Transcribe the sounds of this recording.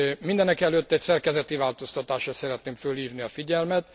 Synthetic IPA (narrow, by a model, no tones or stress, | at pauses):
mind̪ɛnɛkɛløt̪ːɛcsɛrkɛzɛt̪ivaːlt̪o̞st̪ɒt̪aːʃrɒsɛɾɛt̪neːmfølhiːvniɒfiɟɛlmɛt̪